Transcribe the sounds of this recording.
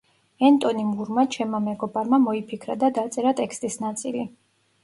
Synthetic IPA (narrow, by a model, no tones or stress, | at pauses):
ɛnt̪ʼɔnimuɾmat͡ʃʰɛmamɛɡɔbaɾmamɔipʰikʰɾa̰d̪ad̪at̪sʼɛɾat̪ʼɛkst̪ʼisnat̪sʼili